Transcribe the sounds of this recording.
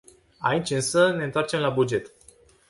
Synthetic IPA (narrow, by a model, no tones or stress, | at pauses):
a̰it͡ʃʲɨnsəne̞ɨnt̪oart͡ʃe̞mlabud͡ʒe̞t̪